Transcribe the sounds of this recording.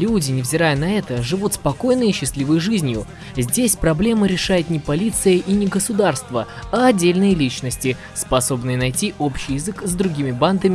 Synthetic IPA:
lʲudʲɪnʲɪvzʲɪɾajənɐɛt̪əʐɨvut̪spɐko̞jnɨjəɕːɪslʲivəjʐɨzʲnʲjʊ̰ | zʲdʲesʲpɾɐblʲe̞məɾʲɪʂajɪt̪nʲɪpɐlʲit̪sɨjəʔinʲɪɡəsʊd̪arst̪vəɐɐdʲːelʲnɨjəlʲit͡ɕnəsʲtʲɪ | spɐso̞bnɨjənɐjtʲiʔo̞pɕːɪjɪzɨkzd̪ɾʊɡʲimʲɪband̪əmʲɪ

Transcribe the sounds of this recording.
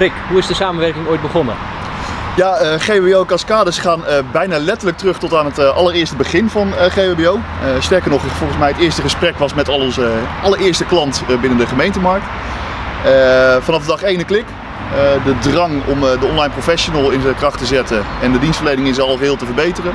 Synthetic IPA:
rɪkɦuɪzdəsaːmənʋɛɹkɪŋoːjt̚bəχɔnə | jaəχebeowkɑskaːdəsχaːnəbɛjnaːlɛtələk̚trɵχtɔtaːnətʔɑləɾɪːɹstəbəχɪnvɑnχejbeow | əstɛɹkəɹnɔχfɔlˠχənsmɛjɦətɪːɹstəχəsprɛkʋɑsmɛtɑlʔɑləɹɪːɹstəklɑntbɪnəndəχəmejntəmɑɹk̚t | əfɑnɑvdədɑχejnəklɪk | ədədrɑŋɔ̰mdəɔnlɑjnprofɛʃonəlˠɪnzəkrɑχtəzɛtəɛndədinstfəɹlejnɪŋɪns̬ɑlˠəsɦɪːlˠtəvəɹbejtərən

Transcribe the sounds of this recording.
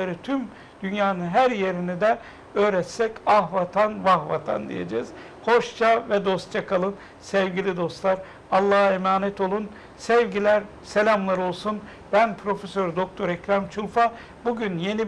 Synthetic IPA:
aɾɯt̪ʰym | d̪̥ynjaːnɯnɦæɾje̞ɾinid̪ɛ | øːɾɛt̪sɛcaɦvat̪ʰanvahvat̪ʰa̰nd̪ḭjḛd͡ʒɛːz̥ | ho̞ʃt͡ʃʰavɛd̪o̞st̪̚t͡ʃʰakʰalˠɯn | sɛvɟilʲid̪o̞st̪lˠaɾ | alˠːaːɦemaːnɛt̪ʰo̞lˠun | sɛvɟilʲæɾ | selʲamlˠaɾo̞lˠsun | b̥ænpʰɾo̞fesøɾd̪o̞k̚t̪ʰo̞ɾɛcɾamt͡ʃʰulˠfa | buɟynje̞ni

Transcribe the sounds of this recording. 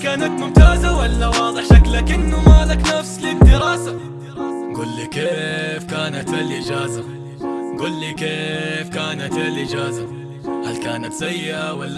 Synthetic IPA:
kaːnat̪mʊmt̪aːzawalːawɑːðˤɨħaklakʔɪnːʊmaːlaknafslɪd̪ːɪɾɑːsa | ɡuːlːikeːfkaːnat̪ɪlʔɪd͡ʒaːza | ɡuːlːikeːfkaːnat̪lʔɪd͡ʒaːza | halkaːnat̪sajːɪʔawalːa

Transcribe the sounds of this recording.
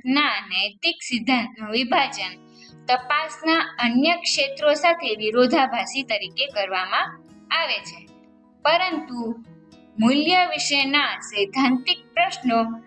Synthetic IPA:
nanəjt̪iksid̪ʱːãnt̪ʋibʱad͡ʒən | t̪əpasnaənjəkʃet̪ɾosat̪ʰeʋiɾod̪ʱabʱasit̪əɾikekəɾʋamã | aʋet͡ʃʰe | pəɾənt̪u | muljəʋiʃəjnasəjd̪ʱãnt̪ik̚pɾəʃno

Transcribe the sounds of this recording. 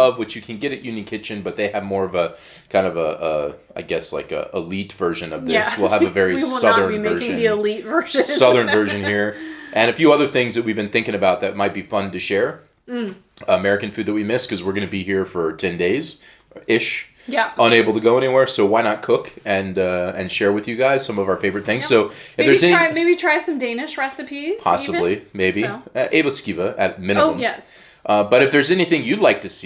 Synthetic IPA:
ʌvwɨt͡ʃjɨkʰɨ̃nɡɛɾɨʔ̚jʉ̃njɨ̃nkʰɪt͡ʃɨ̃nbʌt̪̚ðeɪɨvmɔɹʌvə | kʰãɪ̃ndʌvəʔʌaɪɡɛslaɪkʌ̰ʔəlitv̥ɜ˞ʒɨ̃nʌvðɪswilˠəvɨvɛɹisʌðə̃˞ɜ˞ʒɨ̃nəlitvɜ˞ʒɨ̃sʌðə̃˞nvɜ˞ʒɨ̃nhiɹʔɨ̃nɨfjʉʌðə˞θɪ̃ŋzðɨt̚wivbɨ̃nθɪ̃ŋkɪ̃ŋɨbaʊt̪̚ðɨt̚maɪt̚b̥ifʌ̃ntɨʃɛɹ | əmɛɹɨkɨ̃n̩fʉd̪̚ðɨt̚wimɪskʰʌzwɨɹɡʌnɨbihiɹfə˞tʰɛ̃ndeɪz | ɪʃ | jʔə̃ñeɪbl̩ˠtɨɡoʊɛñiwɛɹsoʊwaɪñət̚kʰʊkɨ̃nʌɨ̃nʃɛɹwɨðjɨɡaɪz̥sʌ̃mʌvaʊə˞feɪvə˞ɨt̪̚θɪ̃ŋz̥soʊɨðə˞zɛnimeɪbitʰɹ̥aɪsʌ̃mdẽɪ̃nɨʃɹɛsɨpʰiz̥pʰɑ̰səblimeɪbiʔeɪbəskivəʔɨt̚mɪ̃nɨmə̰̃ms | ʔʌbʌɾɨfðə˞zɛniθɪ̃ŋjɨdˡlaɪk̚tʰɨs

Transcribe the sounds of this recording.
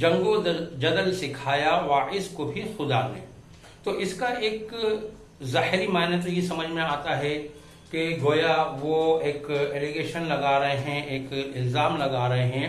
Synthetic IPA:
d͡ʒɐ̃ŋɡod͡ʒɐd̪əlsɪkʰaːjaʋaːpɪskobʱixʊd̪anḛ | t̪oʔɪskaʔeːk | zaːɦɾimaːnət̪jesɐməd͡ʒʱmẽaːt̪aɦɛ | keɡoːjaʋoeːkeːleɡeːʃənlɐɡaːɾɐɦeɦɛ̃ʔeːkɪlzaːmlɐɡaːɾɐɦeɦɛ̃ː

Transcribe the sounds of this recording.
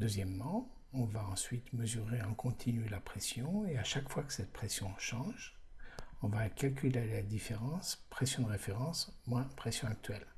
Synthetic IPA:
d̪øzjɛmːɑ̃ | ɔ̃vaɑ̃sɥit̪məzyʁeɛ̃kʰɔ̃t̪ʰinylapχesjɔ̃eaʃakfwakə̥sɛt̪̚pχesjɔ̃ʃɑ̃ʒ | ɔ̃vakʲalkʲylelad̪ifeʁɑ̃spχesjɔ̃d̪əʁefeʁɑ̃smwɛ̃pχɛsjɔ̃ak̚t̪ɥɛl

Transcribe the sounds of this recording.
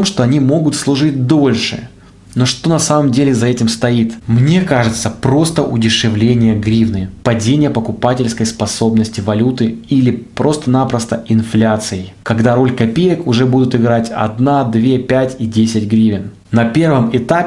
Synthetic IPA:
omʂt̪o̞ɐnʲimo̞ɡʊt̪slˠʊʐɨt̚ʲd̪o̞lʲʂɨ̰ | no̞ʂt̪o̞nɐsaməmdʲelʲɪzɐɛtʲɪmst̪ɐit̪mnʲe̞kaʐɨt̪səpɾo̞st̪əʔʊdʲɪʂɨvlʲenʲɪjəɡɾʲivnɨpɐdʲenʲɪjəpəkʊpatʲɪlʲskəjspɐso̞bnəsʲtʲɪvɐlʲut̪ɨilʲɪpɾo̞st̪ənapɾəst̪əɪnflʲat̪sɨjɪkɐɡd̪aɾo̞lʲkɐpʲejəkʊʐɛbud̪ʊt̪ɪɡɾatʲɐ̰d̪nad̪vʲepʲætʲidʲesʲɪtʲɡɾʲivʲɪn | nɐpʲe̞rvəmɪt̪apʲɪ

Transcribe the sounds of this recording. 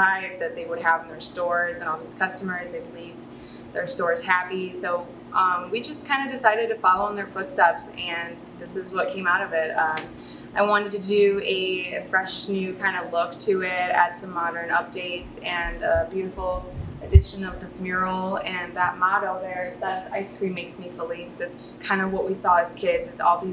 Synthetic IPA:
aɪv̚ðɨt̪̚ðeɪwəɾ̚əvn̩ðə˞stɔɹzɨ̃nl̩ˠðiz̥kʰʌstəmə˞zðeɪbəliv | ðə˞stɔɹz̥hæpisoʊ | ʔʌ̃mwid͡ʒʌskʰãɪ̃ndɨdɨsaɪɾɨd̚tɨfɑlˠoʊə̃nðə˞fʊtstɛpsɨ̃n | ðɪsɨzwʌt̚kʰẽɪ̃maʊɾʌvɪt̚ʌ̃m | ʔaɪwɑ̃ɾ̃ɨd̚tɨdɨɨfɹɛʃnjʉkʰãɪ̃ndəlʊktʰɨɪɾɨ̰tsʌ̃mːɑɾə̃˞nʌp̚d̥eɪtsɨ̃nəbjʉɾɨfl̩ˠɨdɪʃɨ̃nʌvðɪsmjʊɹl̩ˠɨ̃nðət̚mɑɾl̩ˠðə˞ɨtsðæsa̰ɪskʰɹ̥ĩmeɪksmifəlisɨtskʰãɪ̃ndʌwʌʔ̚wisɔɨz̥kʰɪdzɨsɔ̰lˠði

